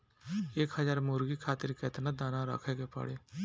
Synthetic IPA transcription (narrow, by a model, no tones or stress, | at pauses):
eːkɦəzaːɾmʊɾɡikʰaːt̪ɪɾkeɪt̪nad̪aːnaɾə̰kʰeːɡepə̰ɽeː